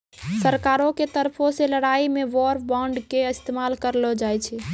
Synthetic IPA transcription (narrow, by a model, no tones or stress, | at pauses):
səɾkaɾõket̪əɾpʰõseləɽaimeʋɔɾpʰbɔ̃ɳɖkeəst̪emalkəɾlɔd͡ʒajt͡ʃʰɛ